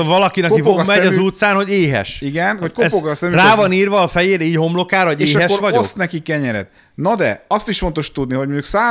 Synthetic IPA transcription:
ovɒlɒkinɛkkivomɛɒzuːt̪saːnho̞ɟeːɦɛ̰ʃiɡɛnhokozoɡsɛmyraːvɒniːrvɒːfɛjeːɾiːcho̞mlo̞kaːɾoɟeːeːɦɛkːʃʋɒɟost̪nɛkikɛɲɛɾɛ̰t̪ | nɒd̪ɛɒst̪iʃfo̞nt̪o̞ʃt̪ud̪niɦo̞ɟmoɲɟuksaː

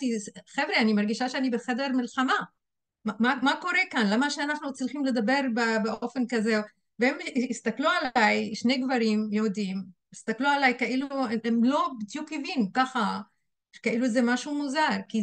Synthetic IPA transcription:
t̪iχevʁianimaʁɡiʃaʃeanibeχed̪eʁmilχama | mamamako̞ʁekanlamaʃeanaχnut͡slχimle̞d̪abe̞ʁbebeʔo̞fe̞nkaze | veemist̪aklualajʃnejɡvaʁimjod̪im | ist̪aklualajkaʔilueemlo̞bit̪jukhivinukaχa | ʃe̥kaʔiluezemaʃumuzaʁki

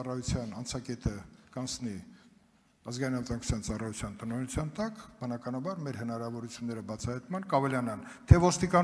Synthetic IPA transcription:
ɑrɑjut͡sʰjɑnɑnt͡sʰɑkɛt̪ʰəkɑnt͡sʰni | ɑzɡɑinɑnvət̪ɑŋku̥t͡sʰjɑnt͡sɑrɑjut͡sʰjɑnt̪ənɔjɛnut͡sʰjɑnt̪ɑkbənɑkɑnɑbɑɾmɛɾhənɑɾɑvɔɾut͡sʰjunːɛɾəbɑt͡sʰɑhɑjt̪mɑnkɑvɛlɑnɑnt̪ʰɛvɔst̪ikɑn

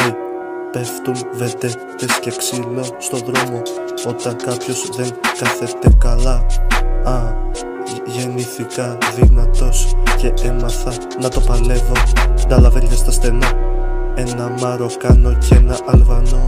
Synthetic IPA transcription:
i | pe̞ft̪umve̞t̪e̞ | t̪e̞sce̞ksilost̪o̞ðɾo̞mo̞ | o̞t̪ɐŋkɐpço̞zðe̞ŋkɐθe̞t̪e̞kɐlɐ | ɐ | ʝe̞niθikɐðiɣnɐt̪o̞sce̞emɐθɐ | nɐt̪o̞pɐle̞vo̞nd̪ɐlɐvenit̪est̪ɐsθe̞nɐe̞nɐmɐɾo̞kɐno̞cee̞nɐʔɐlvɐno̞

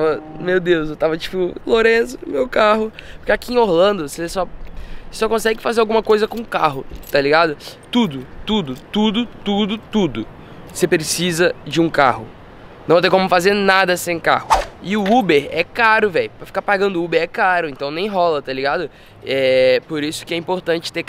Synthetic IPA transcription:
t̪avɐmewd̪ewsewt̪avɐt͡ʃi̥pʊloɾẽsʊ̥mewkaɦʊpo̥ɾkeakiẽoɾlɐ̃nd̪ʊsesɔ | sɔkõsɛɡɪfazeɾawɡũmɐkojzɐkõũkaɦʊt̪aliɡad̪ʊt̪ud̪ʊt̪ud̪ʊt̪ud̪ʊt̪ud̪ʊt̪ud̪ʊ | sepɾesizɐd͡ʒɪũka̰hʊ̰ | nɐ̃w̃t̪ẽj̃komʊfazeɾnad̪ɐsẽj̃ka̰hʊɪʊubeɾɛkaɾʊvɛjʊpɾɐfi̥kaɾpaɡɐ̃nd̪ʊubeɾɛkaɾʊẽnt̪ɐ̃w̃nẽj̃ɦɔlɐt̪aliɡad̪ʊ | ɛpoɾisʊ̥kɪɛĩmpoɾt̪ɐ̃t͡ʃɪ̥t̪e

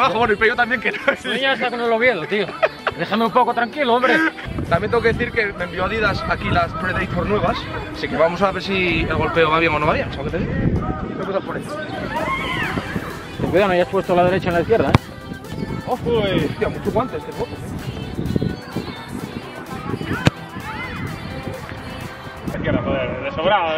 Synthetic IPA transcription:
βaxoβenoipejot̪ambje̞ŋkenaeɲaest̪akonoloβjeðot̪iod̪e̞xameũmpo̞kot̪ɾaŋkiloombɾet̪amjẽnt̪eŋokeðeθiɾke̞membioaðiðasakilaspɾeðejt̪̚foɾnwe̞βas | sikeβamos̬aβesielɣo̞lpe̞oβaβjeŋo̞noβaβjeŋseɣoket̪eiɣoβemosalpoɾe | st̪ekwiðanoajaspwe̞st̪olaðeɾet͡ʃaenlaiθkje̞ɾðae | ofeost̪iamut͡ʃuɣwant̪est̪epokose | ekjeɾaoðeɾðesoβɾa

